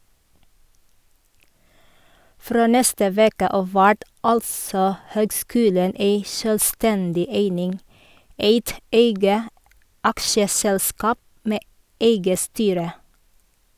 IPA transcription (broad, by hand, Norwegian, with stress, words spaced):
ˈfɾoː ˈnɛstə ˈʋeːkə ˈɑːʋ ˈʋæʈ ˈɑlsɔ ˈhøːɡˌskʉːlən ˈeɪ ʃœlˈstɛndɪ ˈeɪnɪŋ ˈeɪt ˈeɪɡə ˈɑkʃəˌsɛlˌskɑːp ˈmeː ˈeɪɡə ˈstyːɾə